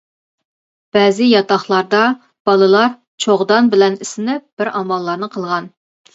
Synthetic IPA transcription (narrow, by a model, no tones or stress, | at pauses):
b̥ɛːzɪjɑt̪ɑχlˠɑɾd̪ɑ | b̥ɑlˠɨlˠɑɾ | t͡ʃʰoʁd̪ɑnbɪlɛnɪsɪnɪp̚b̥ɪɾɑmɑlˠːɑɾnɨqʰəlˠʁɑn